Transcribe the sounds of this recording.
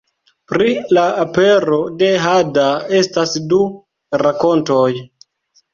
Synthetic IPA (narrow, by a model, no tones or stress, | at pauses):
pɾilaape̞ɾode̞ɦadae̞stasdu | ɾako̞nto̞j